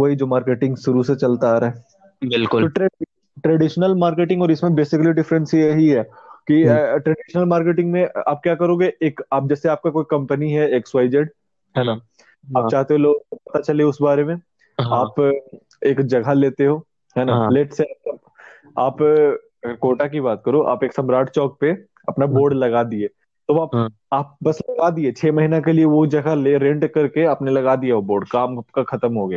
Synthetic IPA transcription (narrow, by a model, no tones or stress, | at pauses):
ʋɐɦid͡ʒoːmaːɾkeːʈɪ̃ŋɡsʊɾuset͡ʃɐlt̪aaːɾaːɦɛ | bɪlkʊloʈɾɛ | ʈɾɛɖɪʃnəlmaːɾkeːʈɪ̃ŋɡɔːɾɪsmẽbeːsɪkəliɖɪfɾə̃nsjɐɦiɦɛːkiʈɾɛɖɪʃənəlmaːɾkeːʈɪ̃ŋɡmẽa̰ːp̚kjaːkɐɾoːɡeʔeːkaːp̚d͡ʒɛːseaːp̚kakoːikɐ̃mpəniɦɛeːkswaːɪd͡ʒeɖ | ɦɛːna | aːt͡ʃaːɦt̪eɦõloːɡpɐt̪at͡ʃɐleʊsbaːɾemẽ | aːp | eːkd͡ʒɐɡʱaleːt̪eɦoː | ɦɛːnalɛʈseap̚ɐ | aːp | koːʈak̬ibaːt̪̚kɐɾoʔa̰ːpeːksɐmɾaːʈt͡ʃɔːk̚pe | ɐpnaboːɾɖlɐɡad̪ieː | t̪oaːp | aːp̚bɐslɐɡad̪iet͡ʃʰeːmɐɦinakelieʋod͡ʒɐɡʱaleɾẽːɳʈkɐɾkeaːpnelɐɡad̪iaoboːɾɖkaːmkaxʰɐt̪əmɦoɡɐjaː